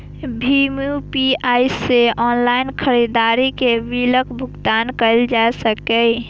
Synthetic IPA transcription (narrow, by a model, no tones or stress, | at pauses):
bʱimupiaiseʔɔːnlaɪnkʰəɾid̪aɾikebiləkbʱʊɡt̪aːnkəld͡ʒasəkəɪ